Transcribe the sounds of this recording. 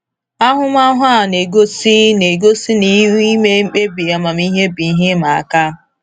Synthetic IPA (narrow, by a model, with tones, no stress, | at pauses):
a˦ɦʊ˦m˦a˦ɦʊ˦a˦˨ne˨ɡo˦si˦ne˨ɡo˦si˦ni˦wi˦me˦k͡pe˦bi˨a˨ma˨m˦i˦ɦe˦bi˨˦ɦe˦ma˨a˨ka˦